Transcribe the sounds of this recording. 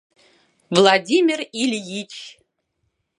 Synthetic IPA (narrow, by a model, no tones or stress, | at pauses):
vlˠadʲimʲɪrilʲjit͡ʃʰ